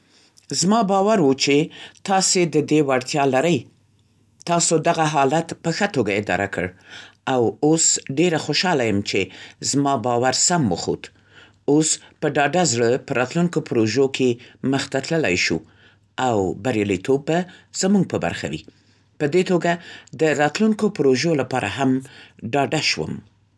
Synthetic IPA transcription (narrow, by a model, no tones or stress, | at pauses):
zmɑbɑwaɾwut͡ʃet̪ɑsed̪əd̪ewaɽt̪jɑlaɾəj | t̪ɑsod̪aɣaɦɑlat̪pəxət̪oɡaɪd̪ɑ̰ɾa̰kə̰ɽawosɖeɾaxoʃɑlajəmt͡ʃezmɑbɑwaɾsamwə̰xo̰t̪ | ospəɖɑɖazɽəpəɾɑt̪luŋkopɾoʒokʰeməxt̪at̪ləla̰jʃṵ | awbaɾjɑlit̪obːaz̥əmuŋɡ̚pəba̰ɾxa̰wḭ | pəd̪et̪oɡad̪əɾɑt̪luŋkopɾoʒolapɑɾʔa̰ɦamɖɑɖaʃwə̰m